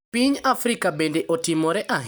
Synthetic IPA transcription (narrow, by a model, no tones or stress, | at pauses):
piɲafɾikabendeʔotɪmɔɾɛʔaɦ